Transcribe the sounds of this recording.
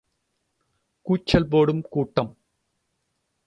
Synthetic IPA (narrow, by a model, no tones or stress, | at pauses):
kuːt͡ʃːɐlp̬oːɽɯmkuːʈːɐm